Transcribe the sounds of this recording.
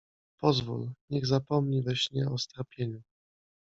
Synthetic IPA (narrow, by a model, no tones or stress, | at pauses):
pɔzvṵlɲɛɣzapɔmɲivɛɕɲɛɔst̪ɾapʲjeɲu